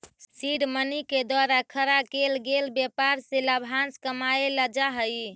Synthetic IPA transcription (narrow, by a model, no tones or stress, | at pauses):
siɖməniked̪waɾakʰəɾakelɡelbjepaɾseləbʱanskəmaeləd͡ʒaɦəj